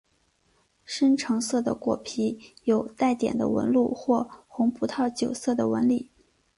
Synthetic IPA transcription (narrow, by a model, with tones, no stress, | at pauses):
ʂə˥nʈ͡ʂʰɤ˧˥ŋsɤ˥˩d̪ə̰˩kwɔ̰˨˩pʰi˧˥jo˨˩ʊt̪a˥˩ɪt̪jɛ̰˨˩nd̪ə̰˦wə̰˧˥nlu˥˩xwɔ˥˩xʊ˧˥ŋpʰu˧˥t̪ʰɑ˥˩ʊt͡ɕjo˨˩ʊsɤ˥˩d̪ə˩wə̰˧˥nli˨˩˦